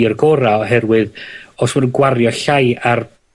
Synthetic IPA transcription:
ərɡɔɾaɔɦɛrwɨðɔswɔdənɡwarjɔɬajar

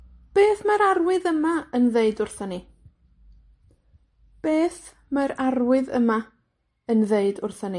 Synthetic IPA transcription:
b̥eːθmaɾarwɨðəmaənðeɨdʊrθəni | b̥eːθ | maɾarwɨðə̰ma | ənðeɨdʊrθəni

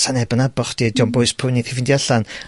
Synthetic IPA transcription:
sanɛbənabɔχd̥idowmbʊɨspʰʊɨniθɛvɪndjaɬan

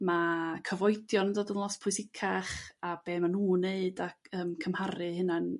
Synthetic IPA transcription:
makʰəvɔjdjɔnəndoːdənlˠɔspʰʊɨsɪkʰaχab̥eːmanuːneɨdaəːmkʰəmhaɾɨhɪnan

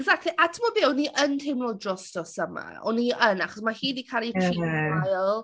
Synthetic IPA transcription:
ɛɡzak̚tʰˡliʔatʰəmɔbewniʔəntʰejmlɔdrɔstɔsəma̰ɔ̰niənaχɔsmahiːdikʰalˠitʰiajlˠ

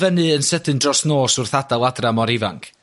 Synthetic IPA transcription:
vɛnɨənsədɨndrɔsnoːsʊrθadalˠadramɔɾɪva̰ŋkʰ

